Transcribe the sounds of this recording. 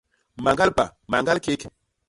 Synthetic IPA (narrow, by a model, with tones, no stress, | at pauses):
ma˨ŋɡa˦lpa˨ma˨ŋɡa˦lke˦k